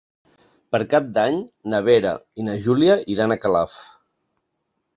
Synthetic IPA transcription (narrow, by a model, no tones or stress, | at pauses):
pəɾkap̚d̪aɲnəβ̞eɾə̰inəʒuliəʔiɾanəkalaf